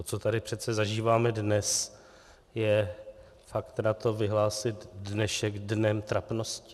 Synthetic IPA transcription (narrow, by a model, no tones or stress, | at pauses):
ot͡so̞t̪adɪpr̥ɛt̪t͡sɛzaʒiːvaːmɛdnɛs | jɛ | fakt̪nat̪o̞vɪɦlaːsɪt̪dnɛʃɛɡdnɛmt̪ɾapno̞scɪ̥